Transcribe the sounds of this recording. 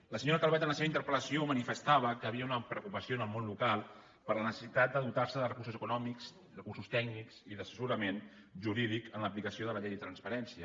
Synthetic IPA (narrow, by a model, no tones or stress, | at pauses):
ləsəɲoɾəkalˠβɛt̪ənləseβint̪əɾpələsiomənifəst̪aβ̞əkəːβiəunəpɾəuwkupəsionəlˠmonlukalˠ | pəɾlənəsəsit̪at̪̚d̪əðut̪aɾsəðərəkursuzəkunɔmikz | rəkursust̪ɛknikziðəsəsuɾəmen | ʒuɾið̞ikənləplikəsioðələʎejðət̪ɾənspəɾɛnsiə